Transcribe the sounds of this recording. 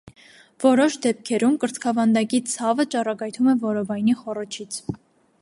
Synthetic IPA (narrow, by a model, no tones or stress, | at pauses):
v̥ɔɾɔʃd̪ɛp̚kʰɛɾumkəɾt͡sʰkʰɑvɑnd̪ɑkit͡sʰɑvət͡ʃɑrɑɡɑjt̪ʰumɛvɔɾɔvɑjniχɔɾɔt͡ʃʰit͡sʰ